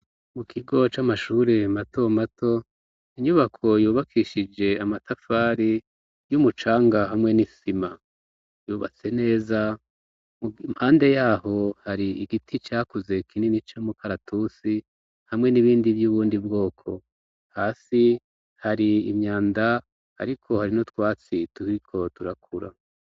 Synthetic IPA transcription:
mukʰiɡo̞t͡ʃamaʃuɾe̞mato̞matʰo̞ | iɲuβakʰo̞juːβakʰiʃid͡ʒe̞amatʰafaːɾi | jumut͡ʃaːŋɡahamŋe̞nisima | juːβa̰t͡se̞ne̞ːza | mumhaːnde̞jaːho̞haɾiiɡitʰit͡ʃaːkuze̞kʰinenit͡ʃomukaɾatʰusi | hamŋe̞niβiːndivjuːβuːndibɡo̞ːkʰo̞ | haːsi | haɾiːmɲaːnda | a̰ɾikʰo̞haɾino̞twaːt͡situikʰo̞tuɾakʰuɾa̰

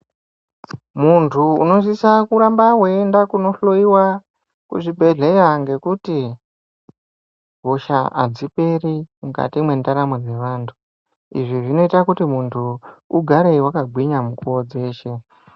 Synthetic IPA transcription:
muntʰṵːno̞sisakuɾambaweendakuno̞ɬo̞iwa | kṵʐibʱe̞ɮe̞jaŋɡe̞kuti | ɦoʃaa̰d͡zipe̞ɾimuka̰timwe̞ndaɾamed͡ze̞ʋaːntʰu̥ | ḭʐiʐino̞itakutimuntʰuuɡʱaɾeiwakaɡʱwiɲamukuod͡ze̞ːʃe̞

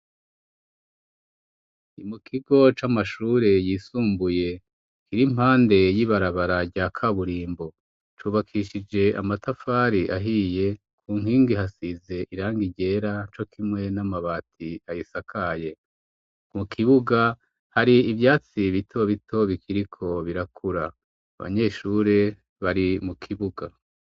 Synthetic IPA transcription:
imukʰiɡo̞t͡ʃamaʃuːɾe̞jiːsuːmbuje̞ | kiɾim̥haːnde̞jiβaɾaβaɾaɟaːkʰaβuɾiːmbo̞ | t͡ʃuːβakʰiʃid͡ʒe̞ʔa̰matafaːɾiʔaɦiːje̞ | kʰuːŋhiːŋɡiɦasize̞ʔiɾaːŋɡiɟe̞ːɾat͡ʃo̞kʰimŋe̞namaβaːtʰiajisakʰaje̞ | mukʰiβuɡa | haɾiːvjaːt͡siβitʰo̞βitʰo̞βikʰiɾikʰo̞βiɾakʰuɾa̰ː | βa̰ɲe̞ːʃuːɾe̞ | βaɾimukʰiβuɡa

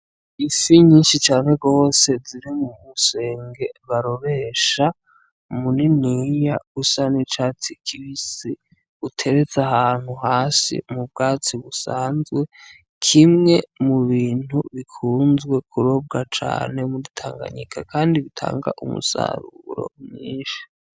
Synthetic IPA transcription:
ifiɲiːnʃit͡ʃaːne̞ɡo̞ːse̞ziɾimumuse̞ːŋɡe̞βaɾo̞ɾe̞ːʃa | muninijaɡusanit͡ʃaːt͡sikʰiwisi | utʰe̞ɾe̞t͡saɦaːn̥huhaːsḭmub̚ɡaːt͡siβusaːnzɡwe̞ | kʰimŋe̞muβiːn̥huβikʰuːnzɡwe̞kʰuɾo̞b̚ɡat͡ʃa̰ːne̞muditʰaːŋɡa̰ɲikʰa̰kʰaːndiβitʰa̰ːŋɡa̰ʔumṵsa̰ɾuɾo̞̰mɲḭːʃḁ

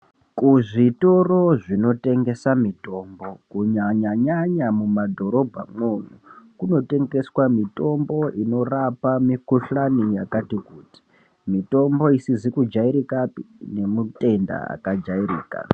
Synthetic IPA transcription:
kuʐito̞ro̞ʐino̞te̞ŋɡe̞samito̞ːmbo̞kuɲaɲaɲaɲamumadʱo̞ɾo̞bʱa̰mwon̤ukuno̞te̞ŋɡe̞swamito̞mbo̞ʔino̞rapamikuɬanijakatikuːti̥ | mito̞mbo̞isizikud͡ʒaiɾikapine̞mute̞nda̰a̰kad͡ʒairiːka̰

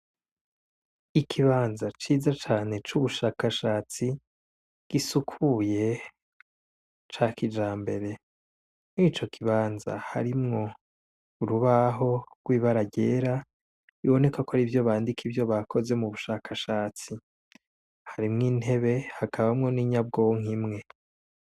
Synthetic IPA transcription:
ikʰiβaːnzat͡ʃiːzat͡ʃaːne̞t͡ʃuβuʃaːkaʃaːt͡si | ɡ̥isukʰuje̞ | t͡ʃakid͡ʒaːmbe̞ɾe̞ | nŋiːt͡ʃo̞kʰiβaːnza̰ha̰ɾimŋo̞ | uɾuβaɦo̞ɡwiːβaɾaɟe̞ːɾa | iβo̞ne̞kakoaɾivjo̞βaːndikʰivjo̞βakʰo̞ze̞muβuʃaːkʰaʃaːt͡si | haɾimŋiːnhe̞βe̞hakʰaβamŋo̞niɲab̚ɡoŋ̥imŋe̞

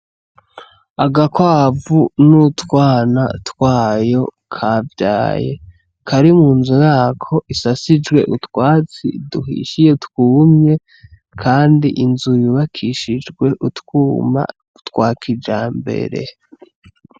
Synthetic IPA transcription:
aɡakwaːvunutkwaːna̰twaːjo̞ | kʰavja̰ːje̞̰ | kʰaɾimuːnzujaːkʰo̞ʔisasid͡ʒɡwe̞̰ʔutwaːt͡sḭduhḭʃijeutkuːmɲe | kʰaːndiʔinzujuβakʰiʃid͡ʒɡwe̞ʔutkuːma̰ | utkwaːkʰid͡ʒaːmbe̞̰ɾe̞̰

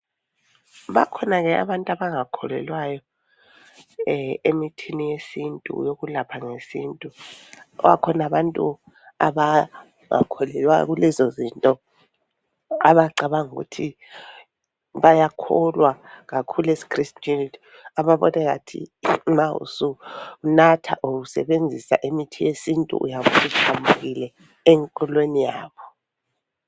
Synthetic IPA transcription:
βakʰɔnaɣɛa̰βantʼaβaŋakʰɔlɛ̰lwajɔ | emitʰinijesintʼṵjoɣulapʰaŋesiːntʼuɔ̰ɣa̰kʰɔnaβantʼu | a̰βa | ŋa̰kʰɔlɛlwa̰ɣulɛzɔzintʼɔ | a̰βaǀaβaŋuɣṵtʰi | βajakʰɔlwaɣakʰulesi̥kristʼinitʰi̥ | aβaβɔ̰nɛɣa̰tʰḭmaṵsuunatʰaʔuɣusɛ̰βend͡zʱisa̰ʔemitʰijesintʼṵṵjaβusihʰambʱuɣilɛ | ɛŋkʼɔlwenijaːβɔ

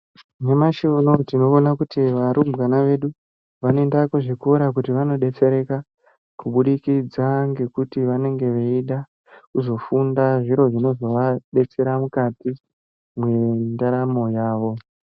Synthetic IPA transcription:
nemaʃiuno̞tino̞onakutiʋaɾumbɡanaʋe̞ɗu | ʋane̞ndakoʐekːɾak̬utiʋano̞ɗe̞t͡se̞ɾe̞ka | kuɓuɗikid͡zaŋɡe̞kutiʋane̞ŋɡe̞ʋeiɗa | kuzo̞fundaʐiɾo̞ʐino̞zo̞ʋaɗe̞t͡se̞ɾamukati | mwe̞ndaɾamo̞jaːʋo̞

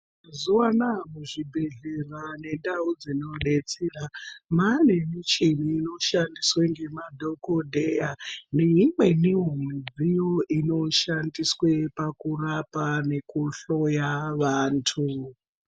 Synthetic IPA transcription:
zuwanamuʐibʱe̞ɮerane̞ndaud͡zino̞ɗe̞t͡seramane̞mit͡ʃiniːno̞ʃandisweŋɡe̞madʱo̞kodʱejaneɦimwe̞niɦomwid͡zijo̞ʔino̞ʃandiswepakurapane̞kuɬojaʋaːntʰu

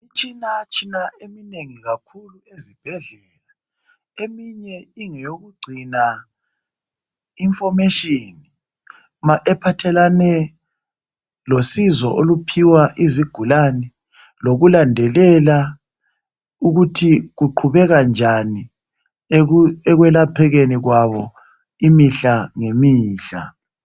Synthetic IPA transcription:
it͡ʃʰʼinat͡ʃʰʼinaemineŋiɣakʰuluezib̥ʱɛɮɛla | emiɲɛiŋɛjoɣuɡ͡ǀʱina | iɱfɔmɛʃʼini | maʔɛpʰatʰɛlanɛ | losizɔ̰ʔolupʰiwaʔiziɡ̥ʱulanɛ | loɣulandʱɛlɛla | uɣutʰiɣuǃʰuβɛɣand͡ʒʱani | ɛɣwɛlapʰɛɣeniɣwaβɔ | imiɬaŋemiːɬa̰

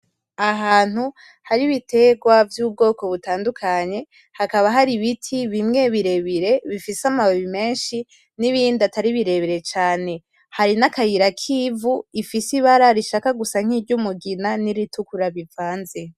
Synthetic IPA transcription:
aɦaːn̥hu | haɾiβite̞ɡwavjuːb̚ɡo̞ːko̞βutaːndukʰaɲe̞ | hakaβaɦaɾiβitʰiβimŋe̞βiɾe̞βiɾe̞βifisamaβoβime̞ːnʃi | niβiːndiataɾiβiɾe̞βiɾe̞t͡ʃaːne̞ | haɾinakajiɾakʰiːvuifisiβaɾaɾiʃakaɡusaŋ̥iːɾɟumuɡinaniɾitʰukuɾaβivaːnze

